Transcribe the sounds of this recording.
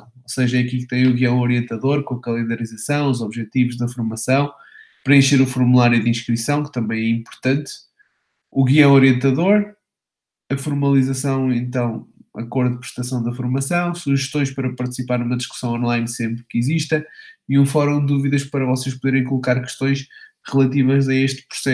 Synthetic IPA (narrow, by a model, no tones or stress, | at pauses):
oseʒɐɛɐkilk̚t̪ɐ̃j̃uɣiɐ̃w̃ɔɾiẽnt̪ɐðoɾkõɐkɐlˠẽnd̪ɐɾizɐsɐ̃w̃uzɔβʒɛt̪ivuʒðɐfuɾmɐsɐ̃w̃ | pɾɐẽʃeɾufuɾmulˠaɾjuðĩʃkɾisɐ̃w̃kɨ̥t̪ɐ̃mbɐ̃j̃ɛĩmpuɾt̪ɐ̃nt̪ | uɣiɐ̃w̃ɔɾiẽnt̪ɐðoɾ | ɐfuɾmɐlˠizɐsɐ̃w̃ẽnt̪ɐ̃w̃ɐ̰koɾðuðpɾɨ̥ʃt̪ɐsɐ̃w̃d̪ɐfuɾmɐsɐ̃w̃suʒɨʃt̪õj̃ʃpɐɾɐpɐɾt̪ɨ̥sipaɾnumɐðiʃku̥sɐ̃w̃ɔ̃nlˠajnsẽmpɾkiziʃt̪ɐiũfɔɾũd̪d̪uviðɐʃpɐɾɐvɔseʃpuðeɾẽj̃kulˠukaɾkɨ̥ʃt̪õj̃ʃ | ʁɨlˠɐt̪̬ivɐzɐeʃt̪pɾu̥sɛ